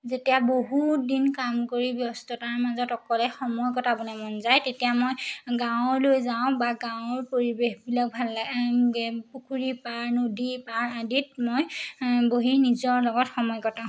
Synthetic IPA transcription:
zetijaboɦudinkamkoɹibjɔstɔtaɹmazɔtɔkɔlɛxɔmɔjkɔtabɔnɛmɔnzajtetijamojɡãw̃ɔɹlojzaʊ̃baɡãʊ̃ɔɹpoɹibexbilak̚bʱalːaɡ | pukʰuɹipaɹnodipaɹadit̚mojboɦinizɔɹlɔɡɔtxɔmɔjkɔtã

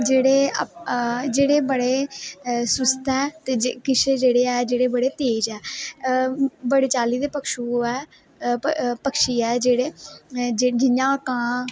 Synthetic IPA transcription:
d͡ʒeːɽeː | d͡ʒeːɽeːbəɽeː | sʊst̪ɛːt̪eːd͡ʒkɪt͡ʃed͡ʒeːɽeːɛːd͡ʒeːɽeːbəɽeːt̪eːd͡ʒɛː | bəɽeːt͡ʃaːliːd̪eːpəkʰʃuːɛː | pəkʰʃiːɛːd͡ʒeːɽeːd͡ʒed͡ʒɪɲãːkãː

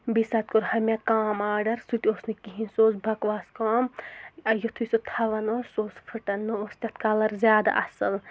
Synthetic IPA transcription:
bisɐt̪̚koɾhɐmʲekaːmaːɖɐɾsut̪ʲoːsnikiɦĩnsoːsbʱɐkʋaːskaːmɐjot̪ʰusot̪ʰɐʋɐnosoːspʰɨʈɐnːoost̪ʲɐt̪̚ʰkalɐɾzʲjaːd̪a̰ʔɐsɨl

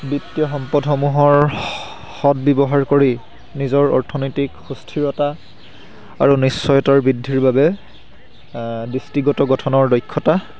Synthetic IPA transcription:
bitːijɔxɔmpɔdxɔmuɦɔɹ | xɔd̚bjɔbɔɦaɹkoɹi | nizɔɹɔ̰ɹtʰɔnɔjtikxustʰiɹɔta | a̰ɹunisːɔjɔtaɹbidʱːiɹbabɛ | distiɡɔtɔɡɔtʰɔnɔɹdɔjkʰːɔta

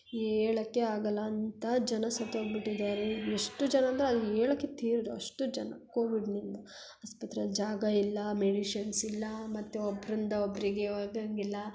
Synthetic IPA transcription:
eːɭɐkːe̞aːɡɐlːɐːnt̪ɐd͡ʒɐnɐsɐt̪ːoɡbiʈːid̪aːɾeeʂʈud͡ʒɐnɐɐːnd̪ɾeɐd̪eːɭɐkːet̪iːɾod̪uɐʂʈud͡ʒɐnɐkoːʋiɖnind̪u | ɐspɐt̪ːɾɐd͡ʒaːɡɐilːɐmeɽiʃɐnsilːɐmɐt̪ːuɔbːɾind̪ɐobːɾiɡeoɡɐŋɡilːɐ

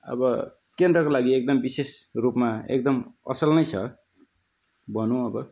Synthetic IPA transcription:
ʌ̰bʌ | kend̪rʌkolaɡiek̚d̪ʌmbisesrupmaḛk̚d̪ʌmʌ̰sʌlnʌjt͡sʰʌ | bʌnũʌbʌ

